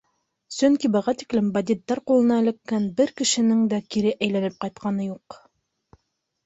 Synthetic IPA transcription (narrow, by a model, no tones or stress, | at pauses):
sɵŋkibɤ̆ʁɑt̪i̥klɘmbɐd̪ʲit̪ːɑɾqulˠɤ̆nɑɘ̆lɘ̆kːænbɘɾkɘ̆ʃɘ̆nɘŋd̪ækiɾɘʔæjlænɘp̚qɑjt̪̚qɑnɤjuq